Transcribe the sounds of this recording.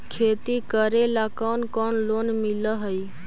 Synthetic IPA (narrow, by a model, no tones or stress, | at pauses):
kʰet̪ikəɾelakɔnkɔnlonmiləɦəj